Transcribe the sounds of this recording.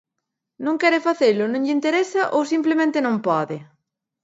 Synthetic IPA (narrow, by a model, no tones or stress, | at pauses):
nõŋkɛɾɪfaθelʊnõŋʎint̪eɾɛsɐʔowsimplemẽnt̪ɪnõmpɔðɪ